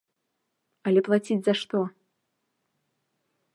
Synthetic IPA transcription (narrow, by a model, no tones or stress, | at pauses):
ɐlʲɛplˠat͡sʲid͡zʲzaʂt̪ɔ